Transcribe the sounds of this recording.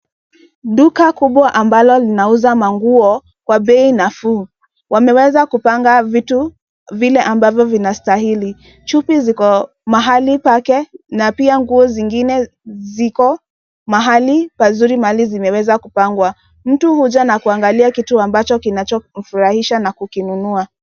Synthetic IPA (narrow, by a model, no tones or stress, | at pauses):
ɗukakuɓwaʔambalɔlinauzamaŋɡuɔ | kwaɓɛinafu | wamɛwɛzakupaŋɡavitu | vilɛʔambavjɔvinastaɦili | t͡ʃupizikɔ | maɦalipakɛnapiaŋɡuɔziŋɡinɛ | zikɔ | maɦalipazuɾimaalizimɛwɛzakupaŋɡwa | m̩tuhud͡ʒanakuaŋɡaliakituambat͡ʃɔkinat͡ʃɔm̩fuɾahiʃanakukinunua